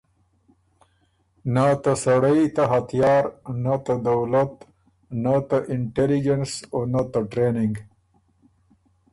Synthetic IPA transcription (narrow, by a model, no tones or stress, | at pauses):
nat̪asaɽajt̪aɦɐt̪ijɑːɾnat̪ad̪awlat̪ | nat̪aʔɪɳʈelɪd͡ʒensonat̪aʈɾenɪŋɡ